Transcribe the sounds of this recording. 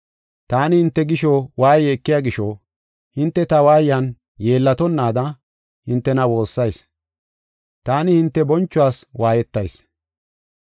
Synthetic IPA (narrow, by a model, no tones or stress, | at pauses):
t̪aːnɪhɪnt̪ːɛɡɪʃɔwaːjɛːkːɪjaːɡɪʃɔ | hɪnt̪ːɛt̪ɐwaːjɐn | je̞ːlːɐt̪ɔnːaːd̪ɐ | hɪnt̪ːɛnɐwo̞ːsːɐjs | t̪aːnɪhɪnt̪ːɛbɔnt͡ʃːʊwaːswaːjɛt̪ːɐjs